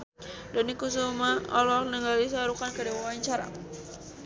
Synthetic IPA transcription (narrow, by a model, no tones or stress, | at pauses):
dɔnikus̬umaɔ̰lɔk̚nəŋɡalis̬aɾukankədiwawaɲt͡ʃaɾa̰